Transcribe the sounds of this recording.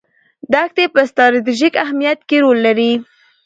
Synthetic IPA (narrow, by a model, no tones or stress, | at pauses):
d̪axt̪epəst̪ɾɑɾt̪̬iʒikaɦmijat̪keɾolːaɾi